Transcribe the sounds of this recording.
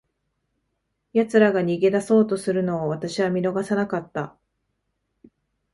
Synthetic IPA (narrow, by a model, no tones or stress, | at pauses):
jat͡sɨɾaɡaɲ̟iɡe̞d̪aso̞ːt̪o̞sɨɾɯ̟no̞ːβat̪aɕiβamʲino̞ɡasanakat̪ːa